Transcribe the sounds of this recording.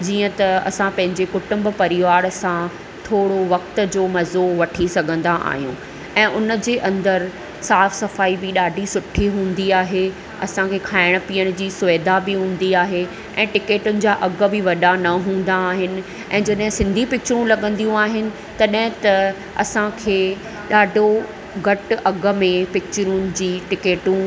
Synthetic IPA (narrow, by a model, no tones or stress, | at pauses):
d͡ʑiːə̃t̪ɐɐ̰sãpɐ̃ɦɪ̃ɲd͡ʑekʊʈʊ̃mbpɐɾɪʋaːɾsã | t̪ʰoːɽoʋɐk̚t̪̆d͡ʑoːmɐzoʋɐʈʰisɐɡʱə̃nd̪aʔa̰ːɦijũ | ɛ̃ːʔʊnəd͡ʑeːʔɐ̃nd̪əɾ | saːfsɐfaːibɪɗaːɖʱisʊʈʰiɦũːn̆d̪iaːɦe | ɐ̰sãkʰeːkʰaːɪɽ̃̆piːəɽ̃d͡ʑiːsʊʋeːd̪ʱabɪɦũːn̆d̪iaːɦe | ʔɛ̃ːʈɪkeːʈʊnɪ̆d͡ʑaːʔɐɡbɪʋɐɗanɐɦũːn̆d̪aːɦɪnɪ̆ | ɛ̃ːd͡ʑɐɗɦɪ̃sɪ̃nd̪ʱipɪk̚t͡ɕʊɾũlɐɠə̃nd̪ijũaːɦɪnɪ̆ | t̪ɐɗɦɪ̃t̪ɐ | ɐsãkʰeː | ɗaːɖʱo | ɡʱɐʈɐɡə̆mẽpɪk̚t͡ɕʊɾʊnɪ̆d͡ʑiːʈɪkeːʈũ